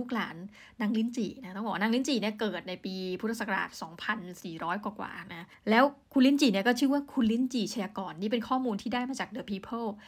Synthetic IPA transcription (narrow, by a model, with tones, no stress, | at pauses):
u˥˩k̚laː˩˦nː | aː˦˥ŋli˥˩nt͡ɕiː˨˩na˦˥t̪ɔ˥˩bɔː˨˩a˦˥naː˦˥ŋli˦˥˨nt͡ɕiː˨˩ni˥˩ɐkɤː˨˩t̪̚na˧jpiː˧pʰu˦˥a˧˩sa˨˩ka˧a̰ː˨˩t̪̚sɔː˩˦ŋpʰa˧nsiː˨˩ɾɔː˦˥jkwaː˨˩kwa̰ː˨˩na˦˥ | lɛː˦˥wkʰu˧nli˥˩nt͡ɕiː˨˩ni˥˩kɔː˥˩t͡ɕʰɯː˥˩waː˥˩kʰu˧nli˦˥˩nt͡ɕiː˨˩t͡ɕʰa˧jaː˧kɔː˧nːiː˥˩pe˧nkʰɔː˥˩muː˧nt̪ʰiː˥˩daː˥˩jmaː˧t͡ɕaː˨˩k̚dɯː˧˩pʰiː˧pʰɤː˥˩w